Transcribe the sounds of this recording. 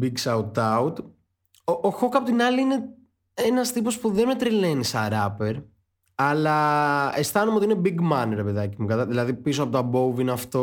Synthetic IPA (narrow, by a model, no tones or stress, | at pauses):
biɡsɐut̪ɐut̪ | oʔoxo̞kɐpo̞t̪inɐliine̞ | enɐst̪ipo̞spuðenme̞t̪ɾilenisɐɾɐpeɾ | ɐlɐest̪ɐnomeot̪iinebiɡmɐneɾepeðɐcimukɐt̪ɐðilɐðipisoɐpo̞t̪ɐbowvinɐft̪o